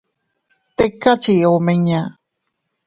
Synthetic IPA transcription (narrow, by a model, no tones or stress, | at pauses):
t̪ekːat͡ʃiomeɲã